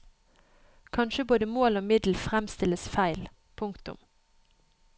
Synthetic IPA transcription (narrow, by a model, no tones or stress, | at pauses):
kʰɑnʃəboːd̪əmoːloːmɪd̪l̩fʁɛmst̪ɪləsfæɪl | pʰʊŋkt̪ʊ̰m